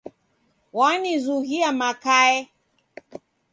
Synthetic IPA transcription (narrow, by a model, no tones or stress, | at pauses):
wanizuɣiamakaɛ